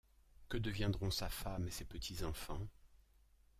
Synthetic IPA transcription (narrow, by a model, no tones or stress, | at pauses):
kəd̪əvjɛ̃d̪ʁɔ̃safamesepət̪ʰizɑ̃fɑ̃